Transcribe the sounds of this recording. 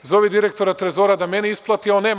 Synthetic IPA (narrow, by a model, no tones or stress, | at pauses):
zoʋid̪iɾek̚t̪o̞ɾat̪ɾezoːɾad̪ameneisplˠat̪ioneːm